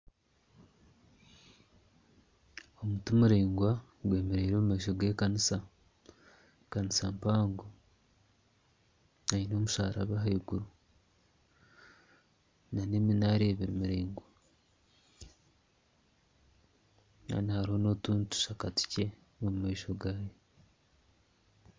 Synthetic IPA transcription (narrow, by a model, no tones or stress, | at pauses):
omutumuɾeːŋɡwa | ɡwe̞ːmeɾeːɾoːmumeːʃ̬oɡweːkanisa | kanisampaːŋɡo | aino̞ːmuʃaːɾaβaɦaiɡuɾu | naneminaɾeːβiɾimuɾeːŋɡwa | na̰nihaɾiho̞no̞tuːntu̥ʃakati̥ce̞ | nomumeːʃo̞ɡaːje